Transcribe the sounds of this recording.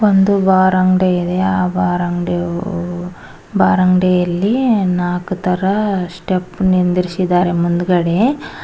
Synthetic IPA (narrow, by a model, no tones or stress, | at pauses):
ond̪ubaːɾɐŋɖeid̪e̞aːbaːɾɐŋɖ | baːɾɐŋɖejɐlːinaːkut̪ɐɾɐsʈepnind̪iɾisid̪aːɾe̞mund̪uɡɐɽe